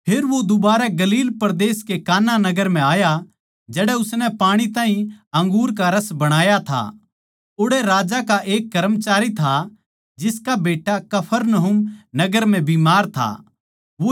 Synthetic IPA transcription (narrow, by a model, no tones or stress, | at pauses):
pʰeːɾʋod̪ʊbaːɾaɡɐliːlpɐɾd̪eːskekaːnanɐɡəɾm̤ɛ̃aːja | d͡ʒɛːɽɛʊsnɛpaːɽ̃it̪ãːɦĩɐ̃ŋɡuːɾkaɾɐsbɐɽ̃aːjat̪ʰa̰ | ʊɽɛɾaːd͡ʒakaʔeːk̚ːɐɾəmt͡ʃaːɾit̪ʰa | d͡ʒɪskabeːʈakɐpʰəɾnɐɦʊmnɐɡəɾm̤ɛ̃biːmaːɾt̪ʰa̰ | ʋo